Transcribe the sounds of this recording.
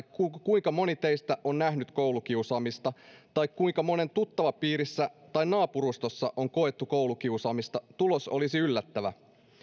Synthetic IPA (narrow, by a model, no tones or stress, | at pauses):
kukuiŋkɑmo̞nit̪eist̪æʔonnæhnyt̪kowluk̟iusɑːmist̪ɑt̪ɑikkuiŋkɑmo̞ne̞nt̪ut̪ːɑʋɑpiːɾisːæt̪ɑinnɑːpuɾust̪osːɑʔo̞ŋko̞et̪ːukouluk̟iusɑːmist̪ɑt̪ulosolisiylːæt̪ːæʋæ